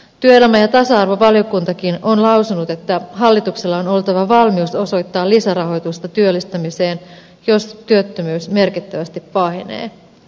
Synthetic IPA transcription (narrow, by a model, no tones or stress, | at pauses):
t̪yøelæmæjɑt̪ɑsɑɑrʋoʋɑljo̞kunt̪ɑkino̞nlɑwsunut̪e̞t̪ːæɦɑlːit̪ukselːɑono̞lt̪ɑʋɑʋɑlmiuso̞so̞jt̪ːɑːlisæɾɑɦo̞jt̪ust̪ɑt̪yølːist̪æmise̞ːn | jo̞st̪yøt̪ːømyːsme̞rkit̪ːæʋæst̪ipːɑinḛː